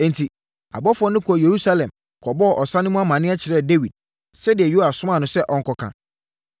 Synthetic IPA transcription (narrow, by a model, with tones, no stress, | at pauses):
ɛ̃˨ntʰi˨ | a̰˨bɔ˦fʊ˦ɔ˦nɪ̃˦kʰje˨ɾu˦sa˦lɛ̃˨m | kʰɔ˨bɔ˦˨ʔɔ˨sã˦nɪ̃˦mũ˦a˦mã˨nɪ̃˦a˦t͡ɕʰɪ˨ɾɛ˦˨de˦wi˨d̥̚ | sɛ˦dɪ˨ɛ˨jo˦a˨sʊ̃˦mã˦˨nʊ̃˦sɛ˦ʔɔ̃˨ŋ̩˦kʰɔ˨kʰã̰˨